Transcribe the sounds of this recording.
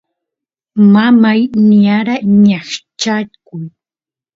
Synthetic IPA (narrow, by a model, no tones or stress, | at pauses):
mamajnɪaɾaɲaχt͡ʃakʊj